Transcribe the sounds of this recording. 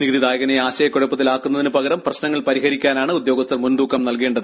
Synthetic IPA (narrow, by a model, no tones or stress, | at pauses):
niɣðid̪aːjɐɣɐneaːɕɐjɐkːoɽɐpːɐðilaːkːunːɐðinɨpɐɣɐɾɐmprɐɕnɐŋːɐɭpɐɾiɦɐɾikʲːaːnaːɳɨud̪jo̞ːɡɐst̪ɐrmund̪uːkʰːɐmnɐlkeːɳɖɐðɨ